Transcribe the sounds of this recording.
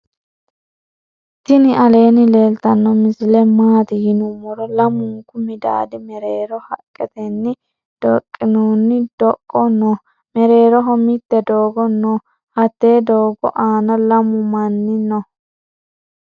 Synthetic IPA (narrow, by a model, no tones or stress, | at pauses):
t̪ɪnɪʔɐle̞ːnɪle̞ːlt̪ɐnːɔmɪsɪlɛmaːt̪ɪjɪnʊmɔɾɔlɐmʊŋkʊmɪd̪a̰ːd̪ɪmɛɾeːɾɔhɐkʼːɛt̪ɛnːɪ | d̪̥ɔkʼːɪnuːnːɪd̪̥ɔkʼːɔnɔ | mɛɾe̞ːɾɔɦɔmɪt̪ːɛd̪oːɡɔnːɔ | hɐt̪ːeːd̪oːɡɔ̰ʔaːnɐlɐmʊmɐnːɪnɔ